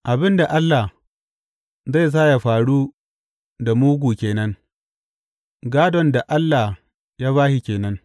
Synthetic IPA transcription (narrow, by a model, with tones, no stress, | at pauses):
ʔa˨bɪ˦nda˨ʔa˦lːa˨ | za˦˨js̬aː˦ja˨ɸaː˨ɽuː˦ | da˨muː˦ɡʷuː˨kʲeː˨nɐ˦ŋ | ɡaː˦dɔ˨nda˨ʔa˦lːa˨h | jaː˦βaː˦ʃi˨kʲeː˨nɐ˦ŋ